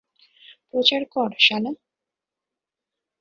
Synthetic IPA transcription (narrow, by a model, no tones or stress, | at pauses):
pɾot͡ɕaɾkɔɾʃana